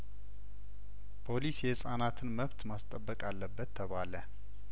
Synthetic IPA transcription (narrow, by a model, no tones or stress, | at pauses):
pʰo̞lisjɛsʼanat̪ʰɨnməβt̪mast̪ʼəbːəkʼalːəbːət̪ʰːəβalə